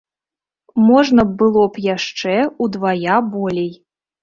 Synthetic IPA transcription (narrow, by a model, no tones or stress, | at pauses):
mɔʐnɐbɨlˠɔpjaʂt͡ʂɛud̪vajabɔlʲej